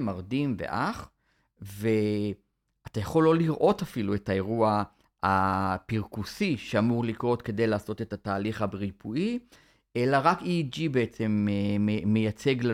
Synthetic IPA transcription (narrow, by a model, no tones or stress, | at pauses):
maʁdimvḛʔaχ | ve | atajaχo̞lːo̞liʁʔo̞tafilue̞tae̞ʁua | apiʁkusiʃeamuʁlikʁo̞tke̞d̪e̞jlaːso̞te̞tataːliχhabeʁipʰui | ʔe̞laʁakid͡ʒibeet͡semː | ejat͡seɡl